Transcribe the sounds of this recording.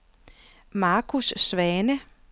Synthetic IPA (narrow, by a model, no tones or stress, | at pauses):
mɑ̈ːkʰusːʋɛːnə